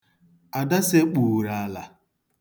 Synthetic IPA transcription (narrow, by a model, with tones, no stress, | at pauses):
a˨da˦se˦k͡puː˨ɾa˨˦la˨